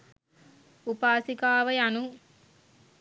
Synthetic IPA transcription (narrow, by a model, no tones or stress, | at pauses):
upaːsikaːʋɐjanu